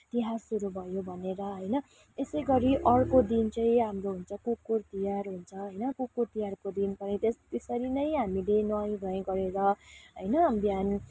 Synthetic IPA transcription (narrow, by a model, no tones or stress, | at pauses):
t̪iɦasuɾubʱʌjobʱʌneɾʌɦʌjnʌ | esʌjɡʌɾiʔʌɽkod̪int͡sʌj̃ĩɦamɾoɦunt͡sʰʌkukːurt̪ijarɦunt͡sʰʌɦʌjnʌkukuɾt̪ijarkod̪inpʌnit̪est̪esʌɾinʌjɦamilenʌj̃bʱʌẽɡʌɾeɾʌɦʌjnʌbjan